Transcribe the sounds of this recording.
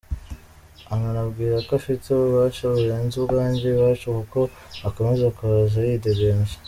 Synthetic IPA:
aŋanabɡiːɾakaʃiteβuβaʃaβujeːnzuβɡaːɲɟiβaʃukuko̞ | ako̞mezakuɾazajideɡenzḁ

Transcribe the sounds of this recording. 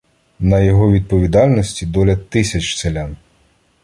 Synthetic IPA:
nɐjɔɦɔʋʲid̪̚pɔʋʲid̪ɑlʲnɔsʲtʲid̪ɔlʲɐt̪ɪsʲɐt͡ʃselʲan

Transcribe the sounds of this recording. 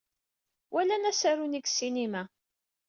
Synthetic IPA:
wælænæsæɾuniɡsinimæ

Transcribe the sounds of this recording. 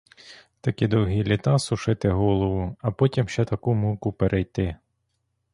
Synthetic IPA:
t̪ɐkid̪ɔwɦilʲit̪ɑsʊʃɪt̪ɪɦɔlˠɔʋʊɐpɔtʲimʃt͡ʃɛt̪ɐkumukʊpeɾʔɛjt̪ɪ

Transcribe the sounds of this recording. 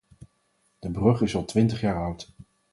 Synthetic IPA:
d̥əbrɵχɪsɑlˠtʋɪntəχjaːɹʌwt

